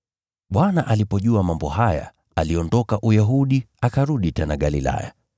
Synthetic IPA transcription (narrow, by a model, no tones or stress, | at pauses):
ɓwanaʔalipɔʄuamambɔhaja̰ | aliɔndɔkaʔujaɦuɗi | akaɾuɗitɛnaɠalila̰ja̰